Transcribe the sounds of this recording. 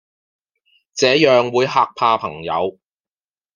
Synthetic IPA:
t͡sɛː˨˥jœː˨ŋwuː˨˧jɦaː˨˧k̚pʰaː˧pʰɐ˨˩ŋjɐ̰˨˧w

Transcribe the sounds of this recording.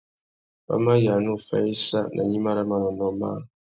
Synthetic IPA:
pa̰˦ma˦ja˨nu˦˨fɛ̰˦i˦sa˦nʔa˨ɲi˦ma˦ɾa˦ma˦˨na˨nɔ˦ma̰˦˨

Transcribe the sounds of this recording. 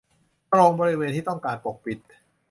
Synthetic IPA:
ɾoː˧ŋbɔː˧ɾi˦˧weː˧nt̪ʰiː˥˩t̪ɔ˥˩ŋkaː˧npo˨˩k̚pi˨˩t̪̚

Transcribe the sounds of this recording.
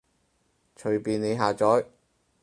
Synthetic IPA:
t͡ʃʰɵ˨˩ɥpiː˨ne˨˧jɦaː˨t͡sɔː˨˥j

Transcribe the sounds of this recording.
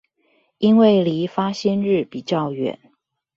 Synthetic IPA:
i˥nwe˥˩ɪli˧˥fa˥ɕɛ˥nɻɻ̩˥˩pi˨˩t͡ɕjɑ˥˩ʊɥɛ̰˨˩˦n

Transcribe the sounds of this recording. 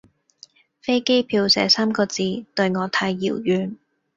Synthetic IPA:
fe˥jke˥jpʰiː˧wsɛː˨˥saː˥mkɔː˧t͡siː˧t̪ɵ˧ɥŋɔː˨˧t̪ʰaː˧jːḭː˨˩wjyː˨˧n

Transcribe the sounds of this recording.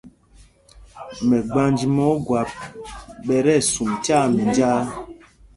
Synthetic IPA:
mɛ˨ɡ͡ba˨˦nd͡ʒi˨mɔ˨˦ɡwa˨p̚ | ɓɛ˨ɾɛ˦˨su˨mta˦˨mĩ˨nd͡ʒa˦

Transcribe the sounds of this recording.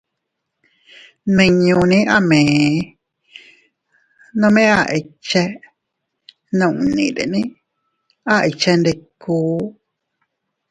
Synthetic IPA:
nĩ˧ɲũ˧nĩ˦ʔa˦˨mẽː˨ | nõ˦˧mẽ˦a˧˨ʔi˧t͡ʃe˦ | nõ˧˨ʔũ˨nḭ̃˨ɾḛ˨nĩ˦ | a˦i˧t͡ʃe˧nde˧kuː˨˦

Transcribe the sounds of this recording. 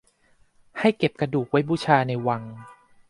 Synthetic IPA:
ha˥˩jke˨˩p̚ka˧duː˨˩k̚wa˦˥jbuː˧˩t͡ɕʰaː˧na˧jwa˧ŋ

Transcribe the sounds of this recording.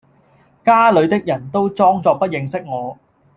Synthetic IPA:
kaː˥lɵ˨˧ɥt̪ɪ˥k̚jɐ˨˩nt̪o˥wt͡sɔː˥ŋt͡sɔː˧k̚pɐ˥t̚jɪ˨˧ŋsɪ˥k̚ŋɔː˨˧

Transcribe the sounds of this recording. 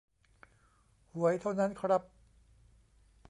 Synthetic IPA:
hu˩˦ɐəjt̪ʰa˥˩wna˦˥nkʰɾa˦˥p̚

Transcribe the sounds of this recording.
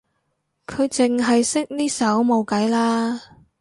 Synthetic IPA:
kʰɵ˨˧ɥt͡sɪ˨˩ŋɦɐ˨jsɪ˥k̚niː˥sɐ˨˥wmo˨˧wkɐ˨˥jlaː˥

